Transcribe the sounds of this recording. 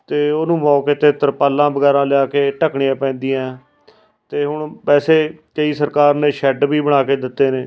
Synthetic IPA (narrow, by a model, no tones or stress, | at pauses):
t̪eːoːnũːmɔːkeːt̪eːt̪əɾpaːlːãːbəɡɛːɾãːlɪaːkeːʈəkɳɪjãːpɛ̃ːnd̪iːãː | t̪eːɦʊɳpɛːseːkəiːsəɾkaːɾneːʃɛɖbiːbəɽ̃aːkeːd̪ɪt̪ːeːneː